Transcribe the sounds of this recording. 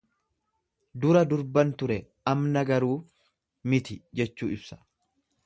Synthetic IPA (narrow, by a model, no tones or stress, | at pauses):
d̪ʊɾɐd̪ʊɾbɐnt̪ʊɾɛ | ɐmnɐɡɐɾuː | mɪt̪ɪd͡ʒɛt͡ʃːuːɪbsɐ̥